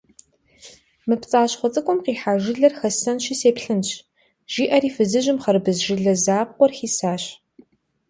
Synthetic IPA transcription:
mɨpt͡sʼaːɕχʷɔt͡sʼɨkʷʼʊmqiːħaːʒɪɮɐrxɐsɐnʃiseːpɬɨnɕ | ʒ̥iːʔɐɾiːfɨzɨʒɪmχɐɾbɨzʒɪɮɐzaːp̚qʷɔrxiːsaːɕ

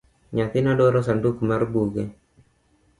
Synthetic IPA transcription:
ɲat̪inadoɾɔs̬andukumarbuɡɛ

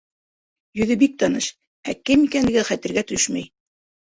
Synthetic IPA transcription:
jɵ̆ðɘbik̚t̪ɑnɤʃ | ækɘmikænlɘ̆ɡɘχæt̪ɘ̆ɾɡæt̪ɵʃmæj

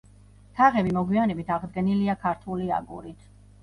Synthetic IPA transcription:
t̪ʰaʁɛbimɔɡwianɛbit̪ʰaʁd̪ɡɛniliakʰaɾt̪ʰulia̰ɡṵɾit̪ʰ

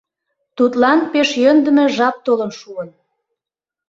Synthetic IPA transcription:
t̪ut̪lɑnpeʃjønd̪ə̆mĕʒɑp̚t̪olənʃuən

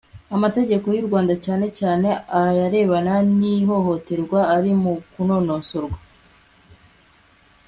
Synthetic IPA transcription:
amate̞ɟe̞ko̞juɾɡwaːndacaːne̞caːne̞ajaɾe̞ːβananiɦo̞ho̞te̞ɾɡwaːɾimukuno̞noːsoɾɡwa

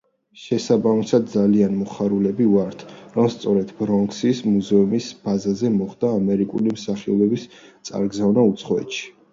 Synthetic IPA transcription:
ʃɛsabamisad̪̚d̪zalianmɔχaɾulɛbivaɾt̪ʰɾɔmst̪sʼɔɾɛd̪̥bɾɔŋksismuzɛumisb̥azazɛmɔχd̪̥aːmɛɾikʼṵlimsaχiɔbɛbistt̪sʼa̰ɾɡzavnaut̪sʰχɔɛ̰t̪ʃi̥

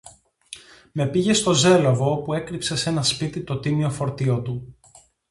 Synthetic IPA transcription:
me̞piʝe̞st̪o̞ze̞lovo̞opue̞kɾipse̞se̞nɐspit̪it̪o̞t̪imio̞fo̞ɾt̪io̞t̪u

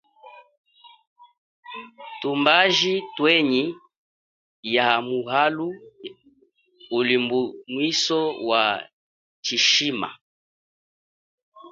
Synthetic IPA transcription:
tumbaʒitwɛɲi | jamuɦalu | ulimbumwisɔwa | tiʃima̰

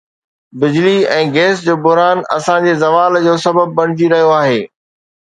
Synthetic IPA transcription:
bɪd͡ʑliɛ̃ːɡeːsd͡ʑoːbʊɦɾaːnɐ̰sãd͡ʑezɐʋaːld͡ʑoːsɐbəb̚ːɐɽ̃ɪd͡ʑiɾɐɦijoaːɦeː

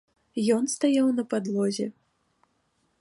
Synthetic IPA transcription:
jɔnst̪ajawnɐpad̪lˠɔzʲɛ̰

